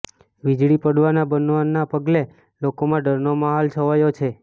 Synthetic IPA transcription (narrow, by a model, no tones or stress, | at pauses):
ʋid͡ʒɭipəɽʋanabənʋanːapəɡle | lokomãɖəɾnomaɦalt͡ʃʰəʋajot͡ʃʰe